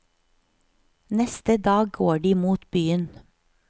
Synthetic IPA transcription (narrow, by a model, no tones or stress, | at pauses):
nɛst̪əd̪ɑːɡ̚ɡoːɖiːmuːt̪byːən